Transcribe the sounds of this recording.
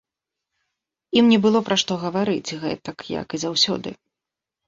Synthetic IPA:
imnʲɛbɨlˠɔpɾɐʂt̪ɔɣɐvaɾɨt͡sʲɣɛ̰t̪ɐkjɐ̰kizawsʲɔ̰d̪ɨ̰

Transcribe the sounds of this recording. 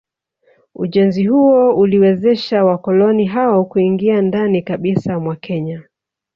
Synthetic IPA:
uʄɛnzihuɔuliwɛzɛʃawakɔlɔniɦaɔkuiŋɡiandanikaɓisamwakʰɛɲa

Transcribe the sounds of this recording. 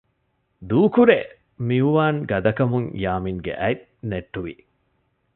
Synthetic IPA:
d̪uːkuɾe | miuʋaːŋɡɐd̪ɐkɐmuŋjaːmiŋɡḛʔæit̪ | neʈːuʋi

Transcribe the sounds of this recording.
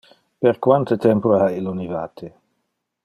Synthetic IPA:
peɾkwant̪ət̪ɛmpoailonivaːt̪ʰe

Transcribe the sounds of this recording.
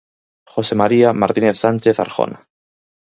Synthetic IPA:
xosemaɾiamaɾt̪ineθsanʲt͡ʃeθa̰ɾxo̰na

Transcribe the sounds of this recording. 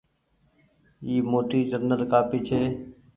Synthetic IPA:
iːmoːʈiːd͡ʒəɾnəlkaːpit͡ʃʰeː

